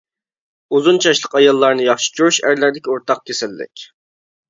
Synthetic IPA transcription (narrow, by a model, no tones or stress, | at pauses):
uzunt͡ʃʰɑʃlˠəqɑjɑlˠːɑɾnɨjɑχʃi̥t͡ʃʰoɾuʃæɾlæɾd̪ɪkʲioɾt̪ʰɑq̚kʲʰesɪlːɪ̰kʲ